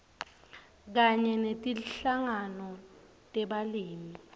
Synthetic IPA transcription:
k̬aɲɛnetʼiɬaŋanɔ | tʼɛɓaliːmi

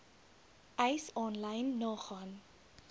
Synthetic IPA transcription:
ʔɛjsɔnlɐjnːɑːχɑːn

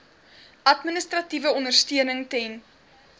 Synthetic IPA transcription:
ɐtminəstrɐtivəɔnərstyənəŋtɛn

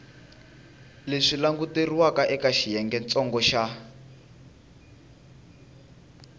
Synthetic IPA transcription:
leʂilaŋɡuteriwakaʔɛkaʃijɛŋɡɛnt͡sɔŋɡɔʃa

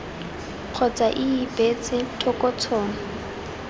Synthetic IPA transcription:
q͡χʰɔt͡sʼaʔiːbet͡sʼɪtʰɔkʼɔt͡sʰɔːŋ̩

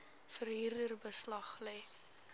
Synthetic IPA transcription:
fərɦiːrdərbəslɐχlɛj

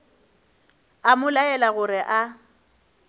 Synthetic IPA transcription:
amʊlaɛlaɣʊɾɪʔa

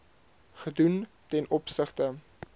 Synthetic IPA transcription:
χədun | tɛnɔpsəχtə

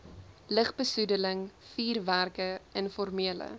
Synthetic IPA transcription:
ləχbəsudələŋfiːrværkəʔənfɔrmiələ̰

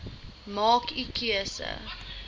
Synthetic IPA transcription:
mɑːkikʰiəsə̰

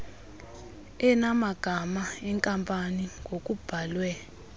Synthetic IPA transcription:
ɛnamaɡ̥ʱamaɛŋkʼampʼaniŋɡʱokʼub̥ʱalwɛ

